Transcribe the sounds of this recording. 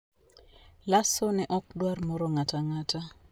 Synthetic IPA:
lasɔnɛʔɔkdwarmɔɾɔŋataŋata

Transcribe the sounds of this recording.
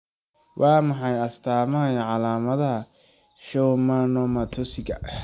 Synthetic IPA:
wʔɑːmɑħɑjɐst̪ʰaːmɐɦɐjɐʕɑlaːmɐðɐɦɐ | ʃɔwmaːnɔːmat̪ʰɔsɪɣɐ

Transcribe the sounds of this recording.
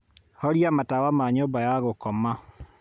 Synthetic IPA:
hɔɾjamatawamaɲoːmbajaɣokɔma

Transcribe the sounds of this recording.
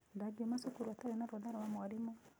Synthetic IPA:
ndaɡemasukuɾwataɾɛnaɾɔðaɾawamwaɾimɔ

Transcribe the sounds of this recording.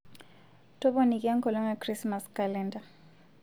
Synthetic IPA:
tɔɓɔnikʼɛaŋkʰɔlɔŋakrismaskalɛnda

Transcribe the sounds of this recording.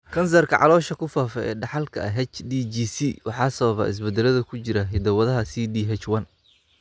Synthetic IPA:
kʰɐns̬ɐrkʰɐʕɑ̰lɔːʃɐkʰʊfaːfɛɛ̰ːɖɑħɑlkʰɐɐɦɛt͡ʃd̪id͡ʒiːsiwɑħɑːsɐβɐβɐ̰ɪ̰s̬bɛd̪ɛlɐðɐkʰʊt͡ʃɪɾɐɦɪd̪ɐwɐðɐɦɐsiːdiɦɛt͡ʃwɐn

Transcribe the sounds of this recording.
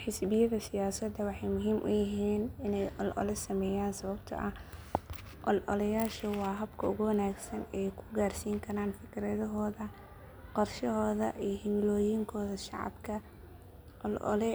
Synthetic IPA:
ħɪsbɪjɐðɐsɪjaːsɐd̪ɐwɑħɑjmʊɦiːmʔʊ̰jɪɦiːnɪnɛjʔɔlʔɔ̰lɛsɐmɛːjaːnsɐβɐbt̪ʰɐ̰ʔɐ | ʔɔlʔɔ̰lɐjaːʃɐwɑːɦɐbkʰɐʊɣʊwɐnaːɡsɐnɛjkʰʊ̥ɡaːrsiːŋkʰɐɾaːnfɪkʰɪɾɐðɐɦɔːðɐ | qɔrʃɐɦɔːðɐʔijɦɪmlɔːjɪŋkʰɔːðɐʃɑ̰ʕɑ̰bkʰɐ | ʔɔ̰lʔɔ̰lɛ

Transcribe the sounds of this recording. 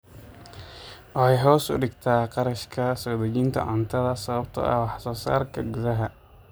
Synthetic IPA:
ʔɔɛjɦɔːsʊ̰ɖɪɡt̪ʰaːqɑɾɐʃkʰɐsɔːd̪ɛd͡ʒɪnt̪ʰɐ̰ʔɔnt̪ʰɐðɐsɐβɐbt̪ʰɐ̰ʔɐ̰wɑħsɔːsa̰ːrkɐɡʊðɐɦɐ

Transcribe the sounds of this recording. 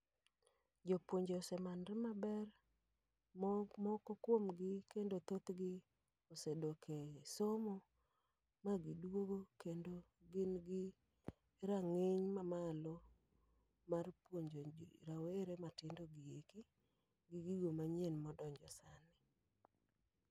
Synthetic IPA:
d͡ʒopwoɲd͡ʒoːsɛmanɾɪmabɛr | mmɔkɔkwomɡɪkendot̪ot̪ɡɪ | osedokʰesomɔ | maɡɪdwoɡokendo | ɡɪnɡɪ | ɾaŋeɲmamalo | marpwoɲd͡ʒoɾaweɾematɪndoɡɪjeki | ɡɪɡiɡomaɲenmɔdɔɲd͡ʒɔsanɪ

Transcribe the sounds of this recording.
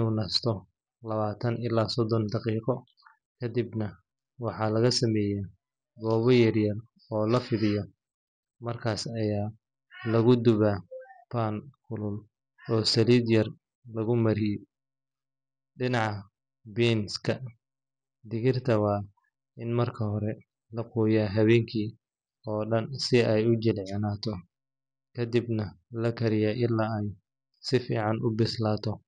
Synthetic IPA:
ɪnuːnɐst̪ʰɔ | lɐβaːt̪ʰɐnɪlaːsɔd̪ɔnd̪ɑqiːqɔ | kʰɐd̪ibnɐ | wɑħɑlɐɣɐsɐmɛːjɛ | ɡɔːβɔjɐrjɐr | ɔːlɐfɪlɪjɔ | mɐrkʰaːsɐjaː | lɐɣʊd̪ʊβapʰaːnkʰʊlʊl | ɔːsɐliːd̪jɐr | lɐɣʊmɐɾɪ | ɖɪnɑʕ | biːnskʰɐ | d̪ɪɣɪrt̪ʰɐwɑː | ɪnmɐrkʰɐhɔɾɛ | lɐquːjaːɦɐβɛːŋkʰiː | ɔːɖɐnsɪɛjʊt͡ʃɪlʕɪnaːt̪ʰɔ | kʰɐd̪ɪbnɐlɐkʰɐɾɪjaʔɪlːaːɛj | sɪfḭːʕɑnʊbɪslaːt̪ʰɔ

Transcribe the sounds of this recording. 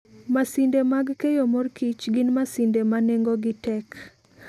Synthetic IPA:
masindemaɡkejomɔrkit͡ʃɡɪnmasindemaneŋɡoɡɪtɛk

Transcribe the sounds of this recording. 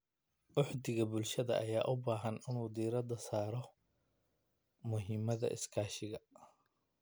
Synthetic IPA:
ʔʊħd̪ɪɣɐbʊlʃɐðɐ̰ʔɐjaːʔʊbaːɦɐnɪnuːd̪iːɾɐd̪ɐsaːɾɔ | mʊɦiːmɐðɐ̰ʔɪ̰skʰaːʃɪɣɐ

